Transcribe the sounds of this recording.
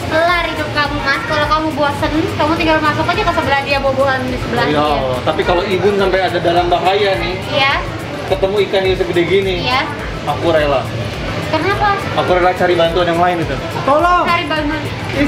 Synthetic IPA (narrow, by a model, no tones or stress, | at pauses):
əlaridʊp̚kamumaskalokamubuasənkamut̪iŋɡalmas̬akad͡ʒakasəbəlad͡ʒaboboɦandisəbəlajalɔt̪apikaloibʊnsampajadadalambaɦajanɪh | ja | kət̪əmuikaniusəɡədiɡinija | akuɾala | kərnapa | akuɾelat͡ʃaɾibant̪uanjaŋlaɪnit̪u | t̪olɔt͡ʃaɾibana